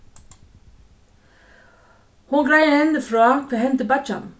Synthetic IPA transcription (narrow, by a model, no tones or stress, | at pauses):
huɡɾæɪəɛnd̪əfɾoːt̪ʰeːhɛnt̪əbɑt͡ʃɑ̰n